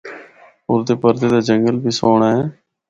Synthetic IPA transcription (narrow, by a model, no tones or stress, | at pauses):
ʊɾd̪eːpəɾd̪eːd̪aːd͡ʒəŋɡəlbiːsoːɳaːɛː